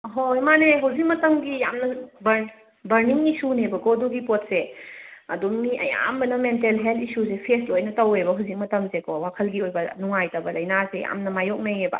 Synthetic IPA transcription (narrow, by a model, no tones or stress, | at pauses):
ɦojmaneɦɐwzik̚mɐtɐmɡijamnɐbɐɾ | bɐɾniŋisunebɐɡoduɡipot̚seɐdumiʔɐ̰ja̰mbɐnɐmentelɦeltʰisusepʰestojnɐtɐwebɐɦawzik̚mɐtɐmsekɔwakʰɐlɡiojbɐnuŋajtɐbɐlɐjnaseja̰mnɐmajok̚nɐjebɐ̰